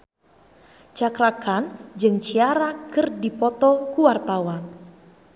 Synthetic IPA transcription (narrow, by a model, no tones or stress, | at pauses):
t͡ʃakɾakand͡ʒɨŋt͡ʃiaɾakɨrdipɔt̪ɔkuwart̪awan